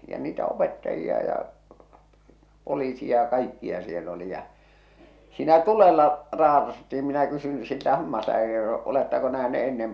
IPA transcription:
jɑ niːtæ opetːɑjiɑ jɑ poliːsi jɑ kɑikːiɑ siel oli jɑ siːnæ tulelːɑ rɑːtɑs tːiːm minæ kysyn siltæ hɑmːɑslæːkæri oletːɑko næhneʔ enːem

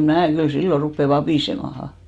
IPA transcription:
mæː kyl silːor̆ rupːe ʋɑpiˑsemɑhɑ

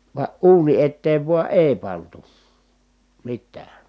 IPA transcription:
ʋɑ ʔuːni etːeːʋ ʋuɑ ʔeˑi̯ pɑntu mitːæː

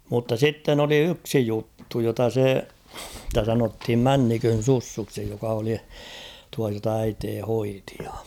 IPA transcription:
mutːɑ sitːen oli yksi jutːu jotɑ se sĭtæ sɑnothim mænːikøn̞ susːuksi jokɑ oli tuɑ jotɑ æiteː hoiti̥ j̊ɑ̥

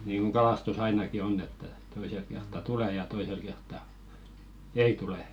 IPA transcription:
niːŋɡ̊uŋ ɡ̊ɑlɑˑstus ɑinɑki onː etːæ toiselk kertːɑ tule jɑ toisel kertːɑ ei tule

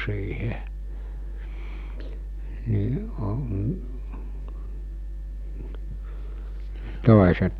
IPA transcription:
siːhe ni o toˑeset

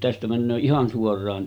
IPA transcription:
tæstæ mænːøː ihɑn suorˑɑːn

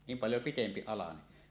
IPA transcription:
niːm pɑljo pitempi ɑlɑne

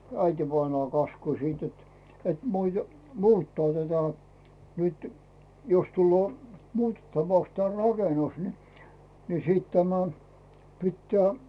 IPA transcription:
æitiʋɑinɑː kɑskusiːt jot et muite muːtːɑː tætæ nyt jos tulːoː muːtetːɑʋɑks te rɑkenus ni ni sit tæmæ pitːæː

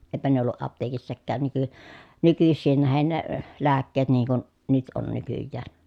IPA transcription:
eĭpæ ne olːuʔ ʔɑpteːkisːækæːn nyky nykysːiːn næhen ne læːkːeːt niːŋ kun nyt on nykyjːæːn

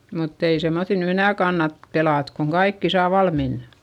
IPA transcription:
mutː ei semːoθil ny enæˑ kɑnːɑt pelɑˑt koŋ kɑikːi sɑː ʋɑlmin

